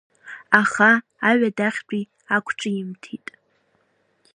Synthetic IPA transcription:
aχaː | ɥadaχʲbʼi | akʷʰt͡ʃʷʼɪjɪmtʰitʼ

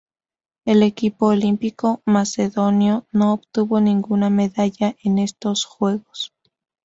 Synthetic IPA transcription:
e̞le̞kipo̞ːlimpiko̞mase̞ðo̞njono̞ːβt̪uβo̞nĩŋɡuname̞ðaʝaʔe̞ne̞st̪o̞sxwe̞ɣo̞s

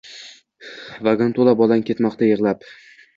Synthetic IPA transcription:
vaɡant̪ʰolˠabɒlˠankʲe̞t̪mɒqt̪ajɨʁlˠap

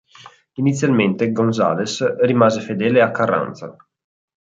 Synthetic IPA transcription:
init̪sːjalment̪eɡonza̰ːlesrimaːzefed̪ɛːleakːarːa̰nt̪sa̰

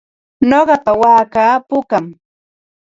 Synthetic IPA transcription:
noɢɑpawaːkaːpʊkam

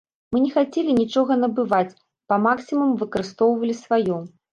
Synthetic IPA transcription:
mɨnʲɛxat͡sʲelʲinʲit͡ʂɔɣɐnɐbɨvat͡sʲ | pɐmaksʲimumvɨkɐɾɨst̪ɔwvɐlʲisvajɔ

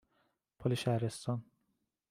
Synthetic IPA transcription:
pʰolʲiʃæɾest̪ʰɔn

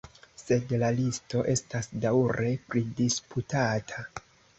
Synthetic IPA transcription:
se̞dlalisto̞ʔe̞stasdawɾe̞pɾidisputatʰa

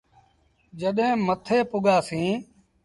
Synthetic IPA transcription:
d͡ʒəɗẽːmət̪ʰeːpʊɠaːsĩː

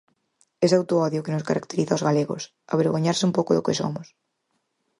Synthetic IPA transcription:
ɛsawt̪oɔðjʊkenʊskaɾakt̪eɾiθaozɣaleɣo̰s | a̰βeɾɣoɲaɾsɪumpowkoðokɪso̰mʊs

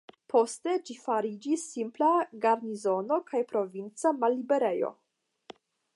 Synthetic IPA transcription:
pʰo̞ste̞d͡ʒifaɾid͡ʒisːimplaɡaɾnizo̞no̞kʰajpɾo̞vint͡samalːibeɾe̞jo̞̰

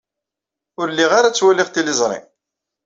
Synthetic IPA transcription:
ʊɾlːiʁaɾat͡sːwælɪʁt̪ilɪzˤɾˤḭ

